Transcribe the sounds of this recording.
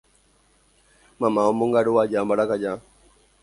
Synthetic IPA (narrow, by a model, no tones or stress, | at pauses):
mamaɔmbuŋɡaɾuwad͡ʒambaɾakad͡ʒa